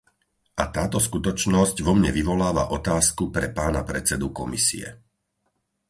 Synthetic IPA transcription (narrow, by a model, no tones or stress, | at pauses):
ʔat̪aːt̪ɔskut̪ɔt͡ʃnɔzcʋɔmɲɛ̰ʋiʋɔlaːʋa̰ʔɔt̪aːskupɾɛpaːnapɾɛt͡sɛd̪ukɔmisḭɛ̰